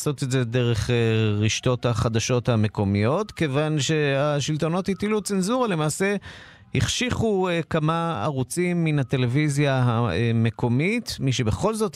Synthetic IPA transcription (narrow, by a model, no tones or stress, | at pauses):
so̞t̪etze̞de̞ʁe̞χeʁiʃto̞thaχad̪aʃo̞thame̞ko̞mijo̞t̪ke̞vanʃe̞aʃilto̞no̞thithilut͡senzuʁale̞maːse̞ | hiχʃiχuekamaa̰ʁut͡simːinat̪e̞le̞vizjaaeme̞kʰo̞mitmiʃebe̞χo̞lzo̞t